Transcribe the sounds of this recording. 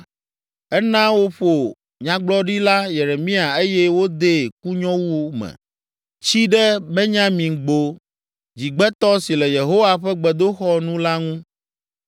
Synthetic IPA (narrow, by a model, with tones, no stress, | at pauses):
ɛ˦nã˦wo˦ɸo˨ | ɲã˦ɡ͡blɔ˦ɖi˦la˦je˨ɾe˨mĩ˦a˨e˦jɛ˦wo˦d̪e˦˨ku˦ɲɔ̃˦wu˦wo˦mɛ̰̃˨ | t͡ɕi˦ɖɛ˦bɛ˦ɲã˦mĩ˨ɡ͡bo˦ | d͡ʑi˨ɡ͡bɛ˦t̪ɔ˦si˨lɛ˨je˨ɦo˦wa˦ɸɛ˦ɡ͡bɛ˨d̪o˦xɔ˦nũ˦la˦ŋũ˦